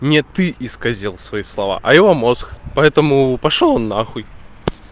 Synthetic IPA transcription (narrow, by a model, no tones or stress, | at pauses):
nʲɛt̪ɨʔiskazʲilˠsvɐjislˠava̰ʔɐjɛvɔmɔsxpɐɛt̪ɐmupaʂɔlˠɔnːaxuj